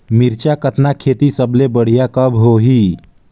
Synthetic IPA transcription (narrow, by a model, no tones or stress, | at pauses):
miɾt͡ʃakət̪nakʰet̪isəblebəɽ̤ijakəbɦoɦi